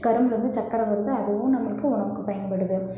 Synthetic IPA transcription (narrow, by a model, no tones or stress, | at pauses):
kɐɾɐmɾɐnd̪ɯt͡ʃɐkːɐɾɐʋɐɾɯðɯɐðɯʋɯmnɐmːɐɭɯkːɯʊɳɐɾɯkːɯpɐjɐnpɐɽɯðɯ